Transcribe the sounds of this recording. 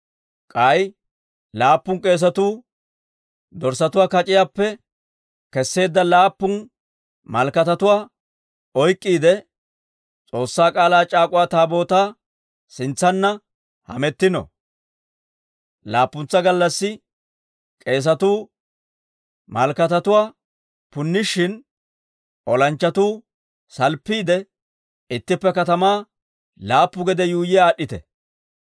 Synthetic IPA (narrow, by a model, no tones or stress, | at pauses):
kʼɐj | laːpːʊŋkʼe̞ːs̬ɐt̪uː | d̪ɔɾsɐt̪ʊwaːkɐt͡ʃʼɪjaːpːɛ | kɛsːe̞ːd̪ːɐlaːpːʊn | mɐlkɐt̪ɐt̪ʊwaː | ɔjkʼːiːd̪ɛ | t͡sʼo̞ːsːaːkʼaːlaːt͡ʃʼaːkʼʊwaːt̪aːbo̞ːt̪aː | sɪnt͡sːɐnːɐ | hɐ̰mɛt̪ːɪnɔ̰ | laːpːʊnt͡sːɐɡɐlːɐsːɪ | kʼe̞ːs̬ɐt̪uː | mɐlkɐt̪ɐt̪ʊwaː | pʊnːɪʃːɪn | ʔɔlɐnt͡ʃːɐt̪uː | sɐlpːiːd̪ɛ | ɪt̪ːɪpːɛkɐt̪ɐmaː | laːpːʊɡɛd̪ɛjuːjɪaːɗːɪt̪ɛ̰